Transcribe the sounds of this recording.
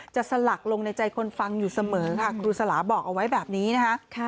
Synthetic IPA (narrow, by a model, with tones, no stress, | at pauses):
t͡ɕa˨˩sa˧la˨˩k̚lo˧ŋna˧jt͡ɕa˧jkʰo˧nfa˧ŋjuː˨˩sa˧mɤː˩˦kʰa˥˩kʰɾuː˧sa˧laː˩˦bɔː˨˩k̚ʔa˧wa˦˥jbɛː˨˩p̚niː˦˥na˦˥kʰa˦˥ʔkʰ